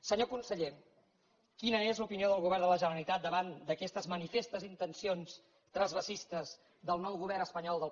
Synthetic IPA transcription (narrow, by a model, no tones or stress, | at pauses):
səɲokunsəʎe | kinəezlupinioðəlˠɣuβ̞ɛrd̪ələʒənəɾəlit̪at̪̚d̪əβand̪əkɛst̪əzmənifest̪əzint̪ənsions | t̪ɾəzβəsist̪əz | ðəlˠnɔwɣuβ̞ɛrɾnəspəɲɔlˠd̪əlˠ